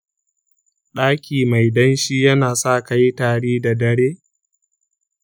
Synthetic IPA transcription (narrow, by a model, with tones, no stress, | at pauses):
ɗaː˦kʲʰiː˨ma˨jdɐ˦nʃiː˦jɐ˦naː˨sa˦˨ka˦jtaː˨ɽiː˦da˨dɐ˦ɽeː˦